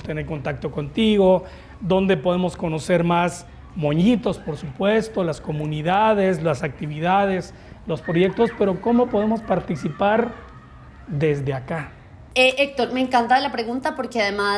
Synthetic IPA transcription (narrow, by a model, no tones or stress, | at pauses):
t̪eneɾko̞nt̪ak̚t̪o̞ko̞nt̪iɣo̞ | ðo̞nd̪e̞po̞ð̞e̞mo̞sko̞no̞se̞ɾmas | mo̞ɲit̪o̞spo̞ɾsupwe̞st̪o̞lasko̞mũniðaðe̞slasak̚t̪iβiðaðe̞s | lo̞spɾo̞ʝe̞k̚t̪o̞spe̞ɾo̞ko̞mo̞po̞ðe̞mo̞spaɾt̪isipaɾ | d̪e̞zðe̞aka | eʔek̚t̪oɾmeŋkant̪aðelapɾeɣunt̪apo̞ɾkeaðema